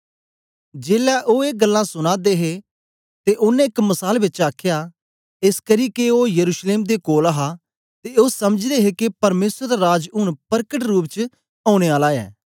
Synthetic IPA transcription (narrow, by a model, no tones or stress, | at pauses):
d͡ʒeːlɛʔoːeːɡɐlːãsʊñaːd̪eɦe | t̪eʔʊnːẽɪkmɐsaːlbɪt͡ʃaːkʰja | eskɐɾiːkeoːjɐɾuːʃleːmd̪ekoːlaɦa | t̪eosɐməd͡ʒd̪eɦekepɐɾmeːsɾəɾaɾaːd͡ʒʊɽ̃pɐɾkəʈɾuːp̬t͡ʃ | aːʊ̃ɽ̃eaːlaɛ̰ː